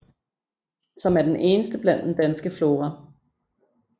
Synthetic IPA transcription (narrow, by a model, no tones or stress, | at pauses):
sɒ̽mæɐd̥enʔe̝ːnəsd̥əb̥læn̰d̥end̥ænsɡ̥əflo̝ːʁɐ